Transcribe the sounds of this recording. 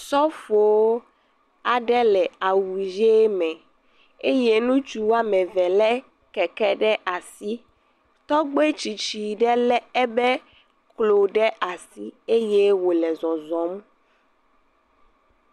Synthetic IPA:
sɔ˦fo˨o˦ | a˨ɖɛ˦lɛ˨a˨wu˨ʒe˦mɛ̃˨ | e˦je˦nũ˦t͡ʃu˦wa˦mɛ̃˨vɛ˨lɛ˦ | kɛ˨kɛ˦ɖɛ˦ʔa˨si˦ | t̪ɔ˦ɡ͡be˦t͡ɕi˨t͡ɕi˨ɖɛ˦lɛ˦ɛ˦bɛ˦ | klo˨ɖɛ˦a˨si˦e˦je˦wo˨lɛ˨zɔ̃˨zɔ̃˨˦m˦

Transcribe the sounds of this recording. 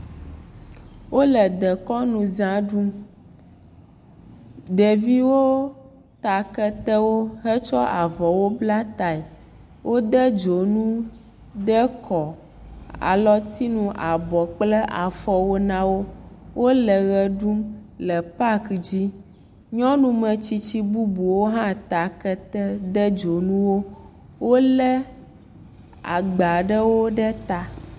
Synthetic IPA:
wo˦lɛ˨d̪ɛ˨kɔ˦nũ˨zã˦ɖu˦m | ɖɛ˨vi˦wo˦ | t̪a˨kɛ˦t̪ɛ˦wo˦ɦɛ˦t͡ʃɔ˦ʔa˨vɔ˨wo˦bla˦t̪a˨ɛ˨ | wʔo˦d̪ɛ˦d͡ʒo˨nũ˦ | ɖɛ˦kʰɔ˨ | a̰˨lɔ˦t̪ʰi˦nũ˦ʔa˨bɔ˨k͡plɛ˦ʔa˨fɔ˨wo˦nã˦wo˦wʔo˦lɛ˨ɣɛ˨ɖu˦mlɛ˨pa˦kd͡ʑi˦ | ɲɔ̃˦nũ˦mɛ̃˨t͡ɕi˦t͡ɕi˦bu˦bu˨wo˦ɦã˦t̪a˨kɛ˦t̪ɛ˦d̪ɛ˦d͡ʒo˨nũ˦wo˦ | wo˦lɛ˦ | a̰˨ɡ͡ba˨ɖə˦wo˦ɖɛ˦t̪a˨

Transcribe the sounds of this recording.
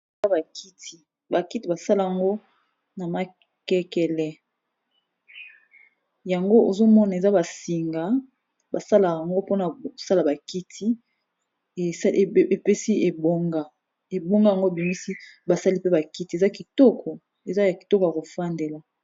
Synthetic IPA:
e˨za˦ba˨kʰi˦tʰi˨ | ba˨ki˦ti˨ba˨sa˦la˦ja˨ŋɡo˦ | na˨ma˨ | kɛ˦kɛ˨lɛ˨ | ja˨ŋɡo˦ʔo˨zo˦mɔ˦na˨e˨za˦ba˨si˨ŋɡa˨ | ba˨sa˦la˨a˨ŋɡo˦po˦na˨sa˦la˨ba˨ki˦tʰi˦˨˦ | e˨pɛ˦si˦e˨bo˦ŋɡa˦˨ | e˨bo˦ŋɡa˦ja˨ŋɡo˦e˨bi˨mi˦si˦ | ba˨sa˦li˦pe˦ba˨ki˦ti˨e˨za˦ki˨tɔ˦kʰɔ˨ | e˨za˦ja˨ki̥˨tɔ˦kɔ˨ja˨ko˨fa˦ndɛ˨la˨

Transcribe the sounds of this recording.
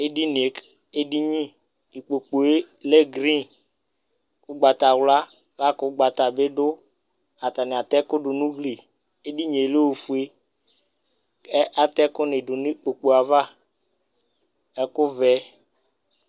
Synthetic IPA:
e˦di˦ni˨e˨k | e˦di˦ɲĩ˦ | i˨k͡po˨k͡po˨e˦ | le˦ɡɾĩ˦n | kʊ˦ɡ͡ba˨t̪a˨wla˦ | la˦kʊ˦ɡ͡ba˨t̪a˨be˦dʊ˦ | a˨t̪a˨nɪ˨a˨t̪ɛ˦kʊ˦ɖʊ˨nũ˦ɡli˨ | e˦di˦ɲe˨e˨le˦wo˨fu˨e˦ | ɛ˦ʔa˨t̪ɛ˦kʊ˦nɪ˨dʊ˨ni˦k͡po˨k͡po˨a˨va˦ | ɛ˦kʊ˦vɛ˨˦

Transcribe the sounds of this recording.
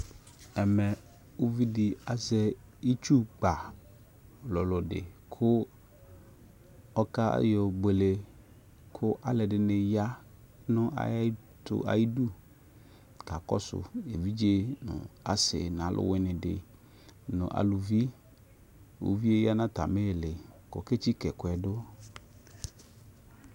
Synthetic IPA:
ɛ˨mɛ˨ | o˦vi˦dɪ˨a˨zɛ˦i˦t͡ʃu˦ɡ͡ba˨ | lɔ˨lɔ˨dɪ̰˨kʰʊ˦ | ɔ˦ka̰˦jɔ˨be˨le˨ | kʰʊ˦ʔa˦lɛ˨dɪ˨nɪ˨ja˦ | nʊ̃˦ʔa̰˨˦ | tʊ̰˦a̰˨ji˦du˦ | ka˨kɔ̰˦sʊ̰˨e˨vi˦d͡ʒe˦nʊ̰̃˨a̰˨sɪ̰˨n˨a˨˦lʔʊ̰˦wɪ˦nɪ̃˨dɪ̰˨ | nʊ̰̃˨ʔa̰˨lʊ˨vi˦ | o̰˨vi˦e˦ja˦nã˦t̪a˨me˦˨lɪ˨kɔ̰˨ke˦t͡ʃi˦kɛ˨kʊ˨ɛ˨dʊ˦

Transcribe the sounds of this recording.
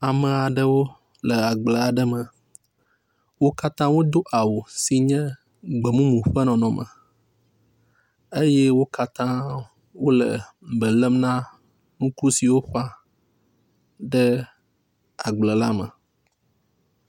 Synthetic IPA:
a˨mə̃˨a˨ɖə˦wo˦ | lə˨a˨ɡ͡blə˨a˨ɖə˦mə̃˨ | wo˦ka˦t̪ã˦wo˦d̪o˦ʔa˨wo˨si˨ɲɛ̃˦ | ɡ͡bə˨mũ˦mũ˨ɸə˦nɔ̃˨nɔ̃˨mə̰̃˨ | e˦jɛ˦wo˦ka˦t̪ã˦ | wo˦lə̰˨ | bə˨lə˦mnã˦ | ŋũ˦ku˦si˨wo˦ɸɔ˦a˦ | ɖə˦ | a˨ɡ͡blə˨la˦mə̰̃˨

